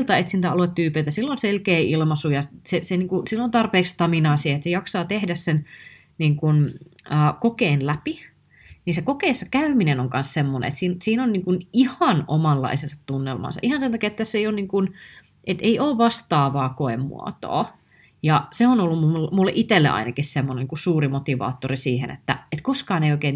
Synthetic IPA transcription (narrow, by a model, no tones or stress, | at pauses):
lt̪ɑet̪sint̪æɑloet̪t̪yːpeˑit̪æsilːonselkeːilmɑsujɑseseniːŋkusilːont̪ɑrpeːkst̪ɑminɑːsieet̪sejɑksɑːt̪ehdæssen | niːŋkunəːkokeːnlæpi | niːnsekokeːsːɑkæyminenoŋkɑnssemːonḛḛt̪siːnsiːnonniːŋkunihɑno̰mɑlːɑ̰isensɑt̪t̪unːelmɑ̰ːnsɑ̰ʔihɑnsent̪ɑkiɑet̪ːæsːeijonniːŋkun | ʔet̪eiʔoːʋʋɑst̪ɑːʋɑːkoemːṵɑ̰t̪o̰ː | jɑseonolːummulmulːeʔit̪elːḛʔɑ̰inɑkissemːoneniːŋkussuːrimot̪iʋɑ̰ːt̪ːorisiːhḛnḛt̪ːæet̪koskɑːneijoikeːn